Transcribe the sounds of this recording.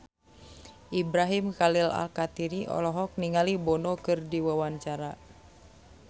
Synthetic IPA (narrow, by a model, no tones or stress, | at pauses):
ʔibɾaɦimkalila̰lkat̪iɾiʔɔ̰lɔɦɔk̚niŋalibɔnɔkɨrdiwawaɲt͡ʃaɾa